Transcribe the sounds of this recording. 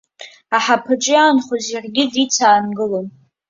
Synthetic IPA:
aħapʰɨʈ͡ʂʼɪanχozjarɡʲɪdit͡sʰaːnɡɨlon

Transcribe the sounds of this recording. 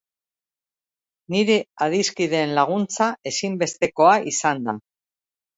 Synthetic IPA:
niɾe̞aðiskið̞e̞ːnlaɣ̞unt͡sae̞simbe̞st̪e̞ko̞aʔisand̪a

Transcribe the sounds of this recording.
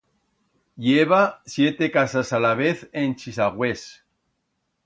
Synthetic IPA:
ʎeβasje̞t̪ekasasalaβeθent͡ʃisaɣwes

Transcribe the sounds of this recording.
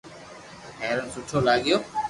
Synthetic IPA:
hɛːɾənsʊʈʰoːlaːɠɪjoː

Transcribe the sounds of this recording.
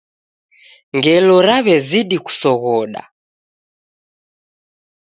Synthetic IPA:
ŋɡɛlɔɾaβɛziɗiku̥sɔɣɔɗa̰

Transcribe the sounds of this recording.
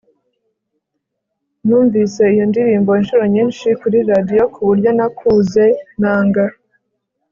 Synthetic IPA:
nuːɱviːse̞ijondiɾiːmbo̞inʃuɾo̞ɲiːnʃikuɾiɾadijo̞kʰuβuɾɟo̞nakʰuːze̞naːŋɡa

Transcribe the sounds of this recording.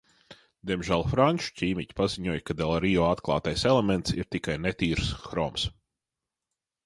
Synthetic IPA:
d̪ʲiɛmʒælˠfɾanʲt͡ʃu̥cʲiːmicʲpaziɲuɔjkad̪elˠɾijɔːat̪klˠɑ̰ːt̪ajselˠemɛnt̪siɾt̪ikajnet̪ʲiːɾsxɾɔːms

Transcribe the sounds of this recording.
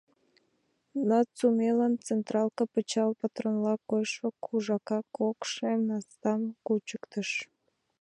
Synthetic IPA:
nɑt͡sumelɑnt͡sent̪rɑlkɑpət͡ɕɑlpɑt̪ronlɑkojʃβəkʰuʒɑkɑkʰokʃemnɑst̪ɑmkut͡ɕəkt̪əʃ

